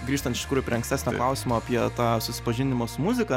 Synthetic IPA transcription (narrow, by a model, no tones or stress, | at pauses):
ɡɾʲiːʃt̪ɐnɪʃt̪ʲkɾuːjʊpʲɾʲiɛɐŋsʲt̪ʲæːsnʲɛklˠɐʊsʲɪmoːɐpʲiɛt̪ɑːsʊsʲɪ̥pɐʒʲɪnʲɪmosʊmʊzʲɪkɐ